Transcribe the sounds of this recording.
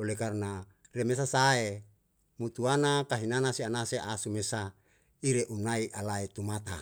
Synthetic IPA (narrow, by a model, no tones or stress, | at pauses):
olekarna | remes̬asae | mut̪uanakaɦinanasianaseʔasumesa | iɾeʔunaiʔalaet̪umat̪a̰